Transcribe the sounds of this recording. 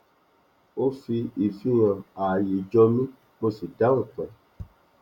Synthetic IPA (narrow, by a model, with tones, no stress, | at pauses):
o˦fi˧i˨fi˦j̃ã˨a˨ji˨d͡ʒɔ˧mĩ˦ | mo˧si˨da˨˦ŋũ˨k͡pɛ˨